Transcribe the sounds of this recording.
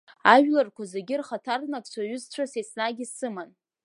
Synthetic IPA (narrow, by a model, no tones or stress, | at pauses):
aʒᶣlarkʷazeɡʲɪrχatʰarnakʼt͡ɕʷʰaɥʏzt͡ɕʷʰasesnaɡʲɪsɨman